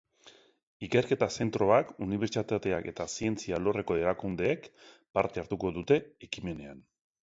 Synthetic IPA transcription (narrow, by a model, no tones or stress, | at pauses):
ike̞ɾke̞t̪ase̞nt̪ɾo̞akuniβ̞e̞ɾt͡sit̪at̪eake̞t̪asie̞nt͡sialo̞re̞ko̞e̞ɾakund̪e̞ːk | paɾt̪e̞aɾt̪uko̞ðut̪e̞ekime̞ne̞an